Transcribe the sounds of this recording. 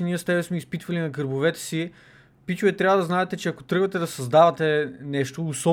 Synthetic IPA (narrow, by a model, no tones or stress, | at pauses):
ɛniəst̪ɛbɛsmɛispit̪vɐlinɐkəɾbovɛt̪ɛ̥si | pit͡ʃʊvɛt̪ɾʲjavɐd̪ɐznaɛt̪ɛt͡ʃɛɐkot̪ɾɤɡvɐt̪ɛd̪ɐsɐzd̪avɐt̪ɛnɛʃt̪oːsɔ